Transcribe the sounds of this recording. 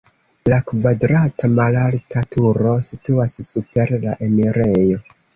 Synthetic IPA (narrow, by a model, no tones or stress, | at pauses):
lakvadɾatamalaltatʰuɾo̞situassupe̞ɾlaʔe̞miɾejo̞